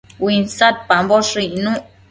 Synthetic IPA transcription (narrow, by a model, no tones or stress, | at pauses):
winsat̪̚pamboʂiʔnũ